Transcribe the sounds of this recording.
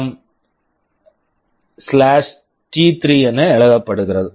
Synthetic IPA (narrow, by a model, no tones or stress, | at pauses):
m | slaːʂ | ʈiːt̪ɾiɛnːɐɛɭɐɣɐpːɐɽɯɣɪɾɐðɯ